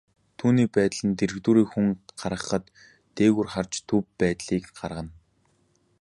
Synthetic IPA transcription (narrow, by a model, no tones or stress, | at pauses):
t̪ʰuːniːpæːt̪ɮə̆nt̪eɾɘ̆ɣt̪uːɾiːxuŋɢ̥aɾʁə̆χə̆t̪ː | eːɣurχart͡ɕt̪ʰːɵpːæːt̪ɮiːkɢarʁə̆n